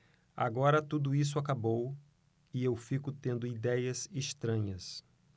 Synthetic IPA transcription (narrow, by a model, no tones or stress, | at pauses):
a̰ɡɔɾɐt̪ud̪ʊis̬ʊakabow | ɪewfikʊt̪ẽnd̪ʊid̪ɛjɐzeʃt̪ɾɐ̃ɲɐs